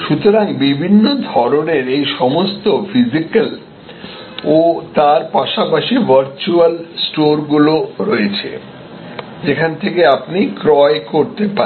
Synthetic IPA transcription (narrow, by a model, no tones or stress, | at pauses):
ʃut̪oɾaŋbibʱinːod̪ʱɔɾoneɾejʃɔmost̪ofʰizikal | ot̪aɾpaʃapaʃivəɾt͡ɕualsʈoɾɡuloɾɔet͡ɕʰḛ | d͡ʑekʰant̪ʰekeapnikɾɔekoɾt̪epa